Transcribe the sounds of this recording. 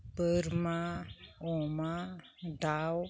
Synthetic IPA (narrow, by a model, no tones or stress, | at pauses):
pəɾmaoma | d̪aw